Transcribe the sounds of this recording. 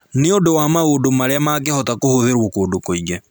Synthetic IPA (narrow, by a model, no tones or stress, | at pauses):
neodowamaodomaɾeamak̬ɛhɔtakohoðeɾwokoːdokoiɡɛ